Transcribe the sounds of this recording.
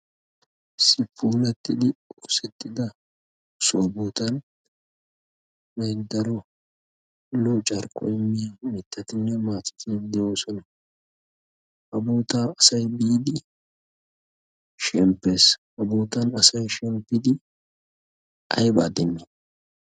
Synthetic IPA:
sɪpːuːlɛt̪ːɪd̪ɪɔsɛt̪ːɪd̪ɐ | sʊɐboːt̪ɐn | bɛjd̪ɐɾɔ | lɔt͡ʃʼɐɾkʼːɔ̰ɪmːɪjamɪt̪ːɐt̪ɪnːɛmaːt͡ʃːɪ̥t̪ʰɪd̪ɛjoːsɔnɐ | hɐboːt̪aːɐsɐjbiːd̪ɪ | ʃɛmpːeːshɐboːt̪ɐnɐsɐjʃɛmpːɪd̪ɪ | ɐ̰jbaːd̪ɛnːe

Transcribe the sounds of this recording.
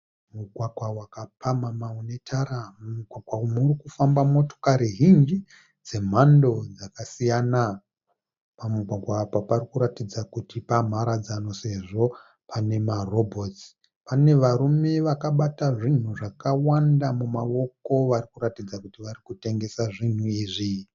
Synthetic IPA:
muɡʱwaɡʱwawakapamamaune̞tʰaɾamuɡʱwaɡʱwamurikufambamo̞to̞kaɾiɦind͡ʒi | d͡ze̞m̤ando̞d͡zakasijana | pamuɡʱwaɡʱwaːaparikuɾatid͡zakutipam̤aɾad͡zano̞se̞ʐo̞ | pʰane̞maro̞bʱo̞t͡si̥ | pane̞ʋaɾume̞ʋakaɓataʐin̤uʐakawandamumaʋo̞ko̞ʋarikuɾatid͡zakutiʋaɾikute̞ŋɡe̞saʐin̤uiʐi

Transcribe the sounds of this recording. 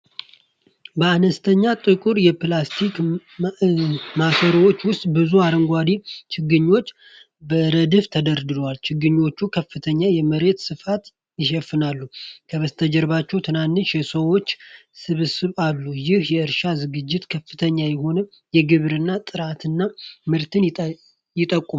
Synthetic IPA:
bəanəst̪ʰəɲːat̪ʼɨkʼuɾjɛplast̪ʰik | makʰəɾwo̞t͡ʃːwʊst̪ʼbɨzuaɾəŋɡʷad̪it͡ʃʰɪɡːɨɲːo̞t͡ʃː | bəɾəd̪ɨft̪ʰəd̪əɾd̪ɨlwalt͡ʃʰɪɡɨɲːo̞t͡ʃːukʰəfːɨt̪ʰəɲːajɛməɾe̞t̪sɨfat̪ | jɪʃɛfːɨnalːukʰəβəst̪ʰəd͡ʒɛɾβat͡ʃːɛwt̪ʰɨnanːɨʃjɛsəwo̞t͡ʃːsɨβɨsɨβalːujɪhjɛɨɾʃazɨɡɨd͡ʒːɪt̪kʰəfːɨt̪ʰəɲːajɛho̞nə | jɛɡɨβɾɨnːat̪ʼɨɾat̪ʰɨnːamɨɾt̪ʰɨn | jɪt̪ʼəkʼːum

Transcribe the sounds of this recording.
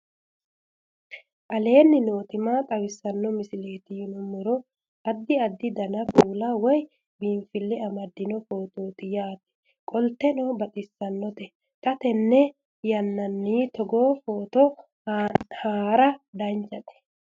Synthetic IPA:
ʔɐle̞ːnːɪno̞ːt̪ɪmat̪ʼɐwɪsːɐnːɔmɪsɪle̞ːt̪ɪjʊnɔmʊɾɔ | ʔɐd̪ːɪɐd̪ːɪd̪ɐnɐpʼuːlɐwɔj | biːɱfɪlːɛɐmɐd̪ːɪnɔfo̞ːt̪oːt̪ɪjaːt̪ɛ̥ | kʼɔlt̪ːɛnɔbɐt̪ʼɪsːɐnːɔt̪ɛ | t̪ʼɐt̪ɛnːɛ | jɐnːɐnːiːt̪ɔɡoːfo̞ːt̪ɔ | haːɾɐd̪ɐnt͡ʃʼːɐt̪ɛ̥

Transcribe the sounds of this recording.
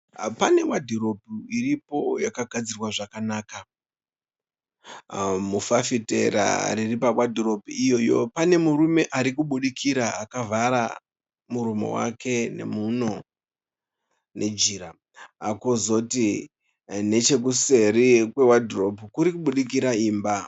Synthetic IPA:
pane̞wadʱiro̞bʱuiripo̞jakaɡʱad͡zirwaʐakanaːka | mufafite̞ɾa̰riripawadʱiro̞bʱiijo̞jo̰pane̞muɾume̞ʔaɾikuɓuɗikʰiɾaakavʱaɾa̰ | muɾumo̞̰wa̰kʰe̞ne̞̰muno̞ | ne̞d͡ʒiːɾa | akozo̞ti | ne̞t͡ʃe̞kuse̞ɾikwe̞wadʱiro̞pukuɾikuɓuɗik̬iɾaiːmba

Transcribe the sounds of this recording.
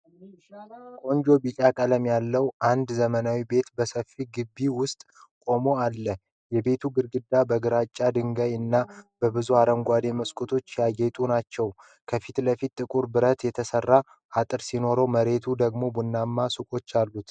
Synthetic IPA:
kʼo̞ɲd͡ʒo̞bit͡ʃʼakʼələmjalːəwʔand̪zəmənawibe̞t̪bəsəfːiɡɨbːiwʊst̪ʼ | kʼo̞mo̞alːə | jɛbe̞t̪ʰuɡɨɾɡɨd̪ːabəɡɨɾat͡ʃʼːad̪ɨŋɡəjɨnːab̥əbɨzuaɾəŋɡʷad̪e̞məskʼut̪ʰo̞t͡ʃːjaɡe̞t̪ʼunat͡ʃːɛw | kʰəfit̪ləfit̪ʼːɨkʼuɾbɨɾət̪jɛt̪ʰəsərːa | ʔat̪ʼɨɾsino̞ɾowməɾe̞t̪ʰud̪əɡmo̞bunːamːasukʼo̞t͡ʃːalːut̪

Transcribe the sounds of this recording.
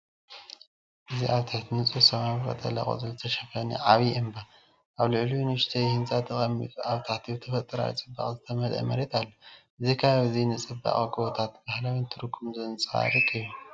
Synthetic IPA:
ʔɨziʔaβt̪ʰaħt̪ʰnɨt͡sʼusɐmaβɨkʼɐ̰t̪ʼɐ̰la̰kʼo̰zɨlt̪ʰɐʃɐfɐnḭʕaβiɨmba | ʔaβlɨʕlujnɨʃt̪ʰɐjhɨnt͡sʼat̪ʰɨχʼɐmːḭt̪ʼuʔaβt̪ʰaħt̪ʰiwt̪ʰɐfɐt̪ʼɨɾa̰w̰t͡sʼɨbːa̰χʼzɨt̪ʰɐmɐlʔɐ̰mɐɾet̪ʰʼalːoʔɨzikʰaaβɨzinɨt͡sʼɨba̰χʼkʼɨβot̪ʰat̪bahlawint̪ʰɨɾɨkʰːumzɨnt͡sʼa̰ɾikʰʼɨju

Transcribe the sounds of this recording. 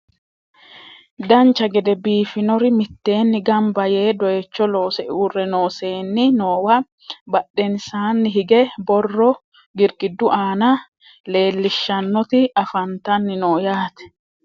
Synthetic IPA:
d̪ɐnt͡ʃːɐɡɛd̪ɛbiːfɪnɔɾɪmɪt̪ːe̞ːnːɪɡɐmbɐje̞ːd̪ɔjɛt͡ʃːɔlo̞ːsɛʔɪurɛno̞ːse̞ːnːɪno̞ːwɐ | bɐɗːɛnsaːnːɪɦɪɡɛbɔrːɔ | ɡɪɾɡɪd̪ːʊʔaːnɐ | le̞ːlːɪʃːɐnːɔt̪ɪɐfɐnt̪ɐnːɪnoːjaːt̪ɛ̥

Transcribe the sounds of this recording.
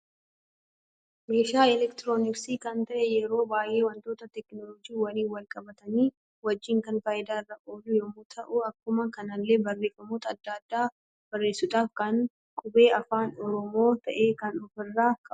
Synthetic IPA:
me̞ːʃaːɪlɛkt̪ɪɾoːnɪksiːkɐnt̪ɐʔɛjɛɾo̞ːbaːjʔe̞ːwɐnt̪o̞ːt̪ɐt̪ɛknɔlɔd͡ʒiːwɐniːwɐlkʼɐbɐt̪ɐniː | wɐd͡ʒːiːŋkɐnfaːjɪd̪aːɪrːɐʔoːdʊjɔmuːt̪ʰɐʔʊɐkːʊmɐkɐnɐlːe̞ːbɐrːe̞ːfɐmuːt̪ɐːd̪ːaːd̪ːaː | b̥ɐrːe̞ːsʊᶑ̪aːfkɐn | kʼʊbe̞ːɐfaːnɔɾɔmo̞ːt̪ɐʔe̞ːkɐnɔfɪrːaːkʼɐ

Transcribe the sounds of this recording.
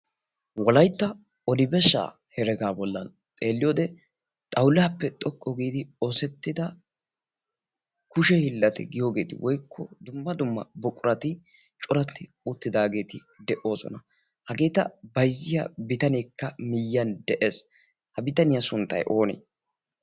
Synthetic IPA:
wɔlɐjt̪ːɐ | ɔd̪ɪbɛʃːa̰ː | hɛɾɛɡaːbɔlːɐn | t̪ʼe̞ːlːɪjoːd̪ɛ | t̪ʼɐwlɪhɐpːɛt̪ʼɔkʼːɔɡiːd̪ɪosɛt̪ːɪd̪ɐ | kʊʃɛhɪlːɐt̪ɛ̰ɡɪjoːɡe̞ːt̪ɪ̰wʔɔjkʰːɔd̪ʊmːɐd̪ʊmːɐ̰bɔkʼʊɾɐt̪ɪ | t͡ʃʼʊɾɐt̪ːɪ | ʊt̪ːɪd̪aːɡe̞ːt̪ɪd̪ɛʔo̞ːsɔ̰nɐ | hɐɡe̞ːt̪ɐ̰bɐjzːɪjɐ̰bɪt̪ɐnɛkːɐmɪjːɐnd̪ɛʔe̞ːs | hɐbɪt̪ɐnɪjɐsʊnt̪ːɐ̰jʔo̞ːnḛː

